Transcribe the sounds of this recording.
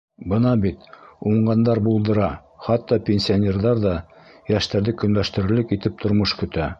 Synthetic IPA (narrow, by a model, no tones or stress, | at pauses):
bɤnɑbit̪uɴɢɑnd̪ɑɾbulˠd̪ɤ̆ɾɑ | χɑt̪ːɑpʲenʲsʲionʲerðɑɾðɑjæʃt̪æɾðɘkɵ̆nlæʃt̪ɘ̆ɾɘ̆lɘkit̪ɘp̚t̪ʰŏɾmɤʃkɵ̆t̪æ